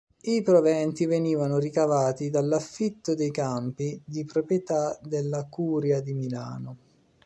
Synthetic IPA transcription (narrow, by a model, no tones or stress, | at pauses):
ipɾovɛnt̪iveniːvanʊrikavaːt̪id̪alːafːit̪ːod̪ejkampid̪ipɾopɾjet̪ad̪elːakuːɾjad̪imila̰ːno